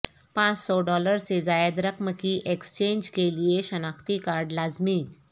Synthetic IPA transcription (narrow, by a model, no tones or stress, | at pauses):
pãt͡ssɔɖɔləɾsed͡zajad̪ɾəkməkiːʔekst͡ɕẽɲd͡ʑkelijeɕənãkt̪ikaɾɖlad͡zmi